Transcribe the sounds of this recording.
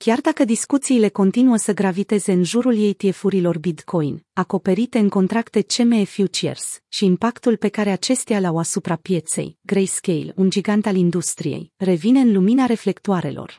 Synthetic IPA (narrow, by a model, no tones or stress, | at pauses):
kʲard̪akəd̪iskut̪siːle̞ko̞nt̪inuəsəɡɾavit̪e̞ze̞ɨnʒuɾulje̞jt̪ie̞fuɾilo̞rbit̪kʰo̞jnako̞pe̞ɾit̪e̞ɨŋko̞nt̪ɾakt̪e̞t͡ʃe̞mefjut͡ʃiḛrsʃiːmpakt̪ulpe̞kaɾe̞at͡ʃe̞st̪ialawasupɾapje̞t̪se̞̰jɡɾejskʲejlund͡ʒiɡant̪alind̪ust̪ɾijḛjre̞vine̞ɨnluminaɾe̞fle̞kt̪uaɾe̞̰lʔo̞̰r